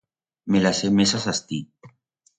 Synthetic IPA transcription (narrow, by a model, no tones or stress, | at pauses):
melasemesasast̪i